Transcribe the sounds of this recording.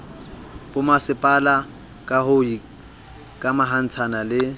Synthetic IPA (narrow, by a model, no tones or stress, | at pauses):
bʊmasɪpʼala | kʼahʊi | kʼamaɦan̩t͡sʰanalɪ